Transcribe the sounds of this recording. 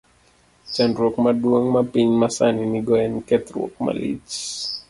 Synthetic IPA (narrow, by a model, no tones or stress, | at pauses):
t͡ʃandɾɔkmaɗuoŋmapiɲmasaniniɡɔɛnkɛt̪ɾɔ̰k̚ma̰lḭt͡ʃ